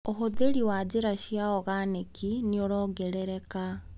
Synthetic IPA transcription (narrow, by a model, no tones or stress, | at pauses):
oɦoðeɾiwad͡ʑeɾaɕijaɔɣanekʰineoɾɔɡɛɾɛɾɛka